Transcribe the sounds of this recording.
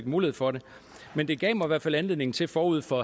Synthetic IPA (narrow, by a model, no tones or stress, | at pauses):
ɡ̥muːliheð̩ˠfɒ̽ɾe | mend̥e̝ɡ̥ɛ̰ːmɑiʋæɐfælænle̝ðˠne̝ŋn̩t͡sʰe̝fɒːuð̞̰ˠfɒ̽